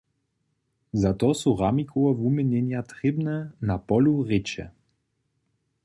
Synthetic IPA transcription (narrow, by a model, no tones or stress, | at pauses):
zat̪ɔsuʁamikʰɔɔvumɛnɛnjat̪ʁebnɛnapɔlʲuʁet͡ʃɛ̰